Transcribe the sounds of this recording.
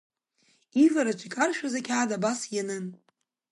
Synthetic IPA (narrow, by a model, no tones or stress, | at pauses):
ivaɾat͡ʃʷʰikʼarʃᶣazakʲʰaʕːdabasjanɨn